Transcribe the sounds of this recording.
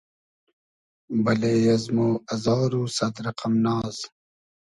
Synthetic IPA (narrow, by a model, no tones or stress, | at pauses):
bɐleːjɐzmoːɐzɑːɾuːsɐd̪ɾɐqɐmnɑːz